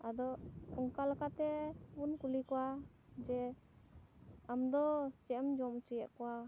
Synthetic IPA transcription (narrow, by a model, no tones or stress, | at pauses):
ad̪ɔɔŋkalakat̪ɛunkulikɔwa | d͡ʒɛ | amd̪ɔt͡ʃɛʔmd͡ʒɔmt͡ʃujaʔkɔwa